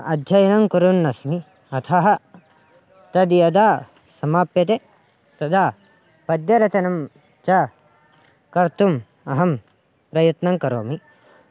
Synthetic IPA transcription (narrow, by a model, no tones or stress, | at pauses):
ɐ̰d̪ʱjɐjɐnɐŋkuɾunːɐsmi | ɐt̪ʰɐɦɐ | t̪ɐd̪ijɐd̪aː | sɐmaːpjɐt̪̬e | t̪ɐd̪aː | pɐd̪jɐɾɐt͡ʃɐnɐm | t͡ʃɐ | kɐɾt̪um | ɐɦɐm | pɾɐjɐt̪nɐŋkɐɾo̰ːmi